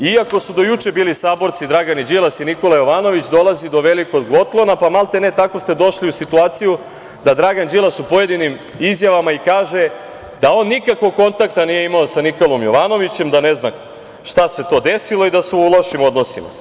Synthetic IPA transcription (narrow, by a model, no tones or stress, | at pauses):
iako̞sud̪o̞jut͡ʂebiːlisaːbo̞ɾt̪sid̪ɾaɡanid͡ʑilˠasiniko̞lajo̞ʋaːno̞ʋit͡ɕd̪o̞lˠazid̪o̞ʋelikod̪ɡo̞t̪lˠo̞napamalˠt̪enet̪ako̞st̪e̞d̪o̞ʃliusit̪uaːt̪siju | d̪ad̪ɾaɡand͡ʑilˠasupo̞je̞d̪inim | izjaʋamaikaːʒe̞ | d̪ao̞ːnːikakʋo̞ɡ̚ko̞nt̪ak̚t̪anije̞imaosaniko̞lo̞mjo̞ʋano̞ʋit͡ɕe̞md̪anezna | ʃt̪ase̞t̪o̞ːd̪esilˠo̞id̪aseulˠaʃimod̪no̞sḭma̰